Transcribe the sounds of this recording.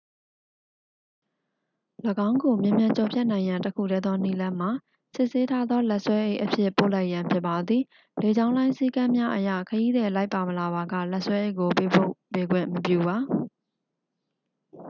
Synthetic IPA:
ləɡã˦ʊ̃ŋɡo˨mjɪ̃˨mjã˨ɲt͡ɕɔ˨pʰjɛ˦ʔnã˨ɪ̃jã˨ntəkʰṵ˦˨ɾɛ˦d̪ðɔ˦ni˦˨lã˦m̥a˨ | sɪ˦ʔse˦tʰa˦d̪ðɔ˦lɛ˦ʔswɛ˦ʔe˦˨ʔəpʰjɪ˦ʔpo̰˦˨la˦ɪʔjã˨mpʰjɪ˦ʔpːa˨d̪ði˨ | le˨d͡ʑã˦ʊ̃lã˦ɪ̃si˦kã˦mja˦ʔəjä̰˦˨kʰəji˦d̪ɛ˨la˦ɪpːa˨məla˨βa˨ɡä̰˦˨lɛ˦ʔswɛ˦ʔe˦˨ʔko˨pe˦po̰˦˨pe˨ɡwɪ̰̃˦˨məpjṵ˦˨ba˨

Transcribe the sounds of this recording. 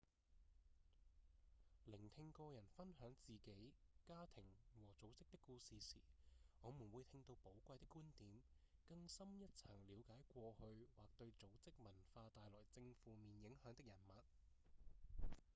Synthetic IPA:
lɪ˨˩ŋt̪ʰɪ˧ŋkɔː˧jɐ˨˩nfɐ˥nɦœː˨˥ŋt͡siː˨ke˨˥jkaː˥t̪ʰɪ˨˩ŋwɔː˨˩t͡so˨˥wt͡sɪ˥k̚t̪ɪ˥kːuː˧siː˨siː˨˩ŋɔː˨˧mu˨˩nwu˨˧jt̪ʰɪ˧ŋt̪o˧wpo˨˥wkʷɐ˧jt̪ɪ˥kːuː˥nt̪iː˨˥mkɐ˧ŋsɐ˥mjɐ˥t̚t͡sʰɐ̰˨˩ŋliː˨˧wkaː˨˥jkʷɔː˧hɵ˧ɥwaː˨k̚t̪ɵ˧ɥt͡so˨˥wt͡sɪ˥k̚mɐ˨˩nfaː˧t̪aː˨jlɔː˨˩jt͡sɪ˧ŋfuː˨˧miː˨njɪ˨˥ŋhœː˨˧˥ŋt̪ɪ˥k̚jɐ˨˩nmɐ˨t̚

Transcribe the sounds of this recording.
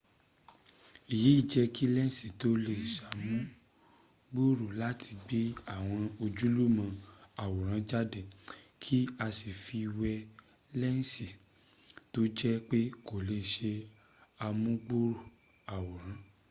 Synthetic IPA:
i˨ji˨˦i˦˨d͡ʒɛ˧˦ki˦lɛ˦n̩˦si˨to˨˦le˧˨ʃa˨mũ˦ | ɡ͡bu˦ɾu˨la˦tʰi˧ɡ͡bi˦a˦˨w̃ɔ̃˧o˧d͡ʒu˦lu˦mã˧a˨wɔ˨ɾ̃ã˨˦d͡ʒa˦dɛ˦˨kʰi˦a˧si˨fi˧wɛ˧ | lɛ˦n˦si˨ | to˦d͡ʒɛ˦k͡pe˦ko˨le˧ʃe˧ | a˧mũ˦ɡ͡bu˦ɾo˦˨ | a˨wɔ˨ɾ̃ã˨˦

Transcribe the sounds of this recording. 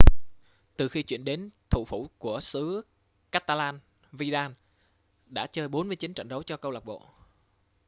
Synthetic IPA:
t̪ɨ˨˩xi˧t͡ɕwḭ˧˨ənɗe˨˦nt̪ʰṵ˧˨fu˧˩ku˧˩əsɨ˨˦ | kaː˦˥t̪aː˧laː˧n | vi˧ɗaː˧n | ɗa̰ː˧˥t͡ɕəː˧jɓo˨˦nmɨ˧əjt͡ɕi˨˦nt͡ɕə̰˧˨ŋɗə˨˦wt͡ɕɔ˧kə˧wla˨˩k͡p̚ɓo̰˧˨

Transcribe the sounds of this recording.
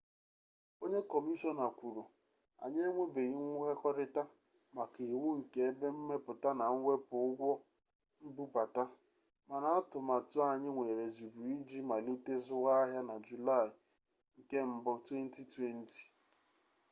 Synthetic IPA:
o˦ɲe˦kɔ˨mi˦ʃɔ˦na˨kʷu˨ɾu˨ | a̰˨ɲe˦ŋʷe˦be˨ɣɪ˦ŋʷu˦ɦe˦kɔ˦ɾɪ˦ta˦ | ma˨ki˨wu˦ŋ̩˨ke˦be˦m̩˦me˦pʊ˨ta˦na˨ŋ̩˦wʷe˦pʊ˨ʊ˦ɡʷɔ˦ | m̩˦bu˦pa˨ta˦ | ma˨na˦a˦tʊ˨ma˨tʊ˦a˨ɲɪ˦ŋʷe˨ɾe˨zu˨bu˨i˦d͡ʒi˦ma˨li˦te˦zʊ˦ɣa˦ɦja˦na˨d͡ʒu˨la˦˨ɪ˨ | ŋ̩˨ke˦m̩˦bɔ˦twe˦n̩˦ti˦twe˦n̩˦ti̥˨

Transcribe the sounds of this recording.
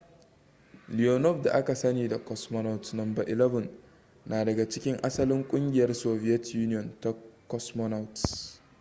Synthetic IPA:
lɪ˨o˨nɔ˦ɸda˨ʔa˦ka˨sɐ˦niː˨da˨kɔ˦smɔ˦na˦wtnɐ˨mbɐ˨ʔɪ˨lɛ˦vʊ˨n | naː˨dɐ˨ɡa˨t͡ʃɪ̥˦kʲɪ˦ŋʔa˦sɐ˦lɪ˦ŋkʷʼʊ˦ŋɡʲɪ˨jɐ˦rsoː˨bɪ˦jɛ˦tju˦nɪ˦jɔ˨nta˦kɔ˦smɔ˦na˦wt

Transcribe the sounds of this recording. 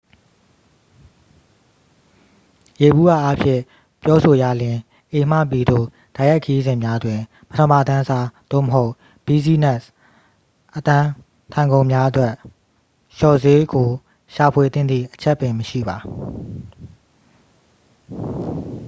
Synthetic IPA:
je˨bu˦ʔa̰˦˨ʔa˦pʰjɪ̰̃˦˨ | pjɔ˦so˨ja˨lɪ̃˨ | ʔe˨m̥a̰˦˨pi˨d̪o̰˦˨ | d̥a˨ja˦kʰːə˨ji˦zɪ̃˨mja˦d̪wɪ̃˨ | pə˦tʰə̃˨mba˨t̪ã˦˨sa˦d̪̥o̰˦˨məɦo˦ʊʔ | b̥i˦˨zi˦nɛ˦˨s | ʔət̪ã˦ | t̪ʰã˨ɪ̃ŋɡõ˨ʊ̃mja˦ʔə˦t̪wɛ˦ʔ | ʃɔ˨ze˦ɡo˨ | ʃa˨pʰwe˨t̪θɪ̃˦˨nd̪ðḭ˦˨ʔət͡ɕʰɛ˦ʔpːɪ̃˨məʃḭ˦˨ba˨

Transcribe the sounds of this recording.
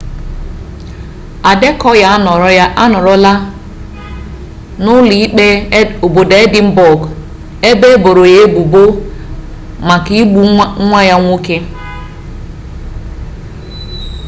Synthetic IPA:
a˨de˦kɔ˦ja˦nɔ˨ɾa˦nɔ˨ɾɔ˦la˦ | nʊ˦li˨˦e˦o˨bo˨de˨˦e˦dɪ˦m̩˦bɔ˨ɡ | e˦be˦bo˨ɾo˨je˦bu˨bo˦ | ma˨ki˦ɡ͡bu˦ŋʷa˦ja˦ŋʷu˦ke˦

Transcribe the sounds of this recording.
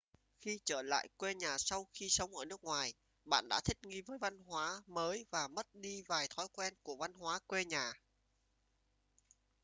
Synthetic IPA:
xi˧t͡ɕəː˧˩la̰ː˧˨jkwe˧ɲaː˨˩sa˧wxi˧sə˨˦wŋ͡mʔəː˧˩nɨ˦˥k̚ŋwaː˨˩j | ɓa̰ː˧˨nɗa̰ː˧˥t̪ʰï˦˥k̚ŋi˧vəː˨˦jva˧nɦwaː˨˦məː˨˦jvaː˨˩mə˦˥t̚ɗi˧vaː˨˩jt̪ʰɔ˨˦jkwɛ˧nku˧˩əva˧nɦwaː˨˦kwe˧ɲaː˨˩

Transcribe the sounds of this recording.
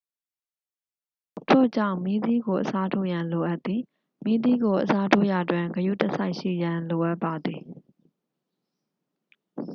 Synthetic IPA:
tʰo̰˦˨d͡ʑã˦˨ʊ̃mi˦d̪i˦ɡo˨ʔəsa˦tʰo̰˦˨jã˨nlo˨ʔa˦t̪ːi˨ | mi˦d̪i˦ɡo˨ʔəsa˦tʰo̰˦˨ja˨dwɪ̃˨ŋɡəjṵ˦˨tə˦sa˦ɪʔʃḭ˦˨jã˨nlo˨ʔa˦pːa˨d̪ði˨

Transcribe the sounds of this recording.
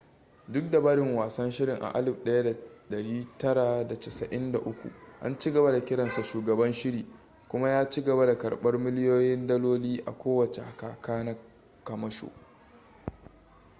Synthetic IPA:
dʊ˦k̚da˨baː˦ɽɪ˨ŋwaː˨sɐ˦nʃɪ˦ɽɪ˨ŋʔa̰˨ʔa˦lɪ˨bɗɐ˦ja˦da˨ɗɐ˨ɽiː˦tɐ˦ɽa˨da˨tɐ˨sɐ˨ʔɪ˦nda˨ʔʊ˦kʷṵ˨ʔa̰˦nt͡ʃi˦ɡɐ˨βa˦da˨kʲɪ˦ɽɐ˨nsa˨ʃuː˨ɡɐ˨bɐ˦nʃɪ˦ɽiː˨ | kʷʊ˦ma˦jaː˦t͡ʃi˦ɡɐ˨ba˦da˨kɐ˨ɽɓɐ˦rmɪ˦lɪ˦joː˦jɪ˦ndɐ˦loː˦liː˦ʔa̰˨kʷoː˦wɐ˨t͡ʃḛ˨ha˨kaː˨kaː˦na˦ | kɐ˨mɐ˦ʃo̰ː˨

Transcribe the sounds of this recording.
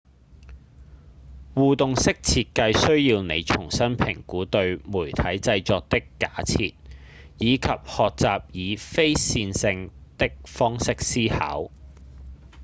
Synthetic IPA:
wuː˨t̪ʊ˨ŋsɪ˥k̚t͡sʰiː˧t̚kɐ˧jsɵ˥ɥjiː˧wnḛ˨˧jt͡sʰʊ˨˩ŋsɐ˥npʰɪ̰˨˩ŋkuː˨˥t̪ɵ˧ɥmuː˨˩jt̪ʰɐ˨˥jt͡sɐ˧jt͡sɔː˧k̚t̪ɪ˥kːaː˨˥t͡sʰḭː˧t̚ | jiː˨˧kʰɐ˨p̚hɔː˨k̚t͡saː˨p̚jiː˨˧fe˥jsiː˧nsɪ˧ŋt̪ɪ˥k̚fɔː˥ŋsɪ˥k̚siː˥ha̰ː˨˥w

